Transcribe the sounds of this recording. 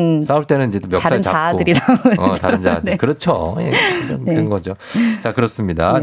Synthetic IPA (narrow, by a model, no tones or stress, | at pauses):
s͈auɭt͈e̞nɯnid͡ʑe̞t͈omjʌkasaɯnt͡ɕaadɯɾidaʌtand͡ʑa̰dekɯɾʌt͡ɕʰojḛʌmeɯnɡʌd͡ʑo | t͡ɕakɯɾʌs͈ɯmɲida